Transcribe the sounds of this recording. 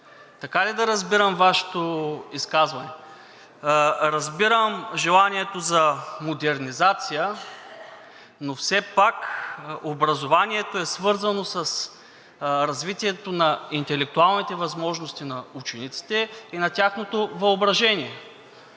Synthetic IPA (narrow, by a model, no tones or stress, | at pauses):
t̪ɐkalid̪ɐɾɐzbiɾəmvaʃɛ̥t̪oiskazvɐnɛ | ɾɐzbiɾəmʒɛlˠaniɛt̪ozɐmod̪ɛɾnizat̪sijə | nofsɛpakobɾɐzovaniɛt̪oɛsvɤɾzɐnosɐs | ɾɐzvit̪iɛt̪onɐint̪ɛlɛk̚t̪ualˠnit̪ɛvɐzmɔʒnost̪inɐut͡ʃɛnit̪si̥t̪ɛinɐt̪ʲaxnot̪ovɐobɾɐʒɛniɛ